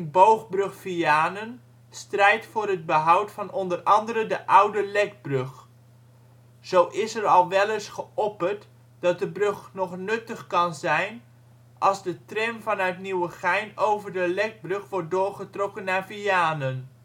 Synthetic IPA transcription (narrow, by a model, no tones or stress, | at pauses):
nbowχbrɵχfiaːnən | strɛjtfʊːɾɦəd̚bəɦʌwtfɑnɔndərɑndərəndəʔʌwdəlɛɡ̚brɵχ | z̥owʔɪsərɑlˠʋɛlɪsχəʔɔpərt | d̥ɑt̚dəbrøχnɔχnɵtəχkɑnzɛjn | ʔɑlˠzdətrɛmvɑnœtniwəχɛjnowvərdəlɛɡ̚brɵχʋɔɹt̚dʊːɹχətrɔkənːaɹviaːnən